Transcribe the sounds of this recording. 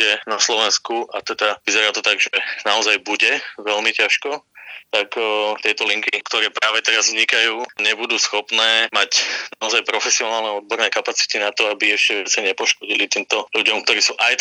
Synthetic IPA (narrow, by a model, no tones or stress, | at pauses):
ɛnaslɔʋɛnskuʔat̪ɛd̪aʋizɛɾaːt̪ɔt̪aɡʒɛnaɔzajbuɟɛʋɛlmicaʃkɔt̪akt̪ɪɛt̪ɔliŋkikt̪ɔɾɛːpɾaːʋɛt̪ɛɾazvɲikajuːɲɛbud̪uːsxɔpnɛːmacnaɔzajpɾɔfɛsiɔnaːlnɛɔd̪̚bɔɾnɛːkapat͡si̥t̪inat̪ɔabiɛʃcɛʋɪat͡sɛɲɛpɔʃkɔɟilit̪iːmt̪ɔluɟɔmk̚t̪ɔɾiːsuːʔajt̪